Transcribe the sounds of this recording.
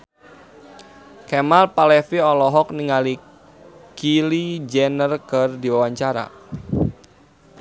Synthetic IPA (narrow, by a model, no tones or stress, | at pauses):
kɛmalpalɛfiɔlɔɦɔkniŋali | kilid͡ʒɛnərkərdiwawaɲt͡ʃaɾa̰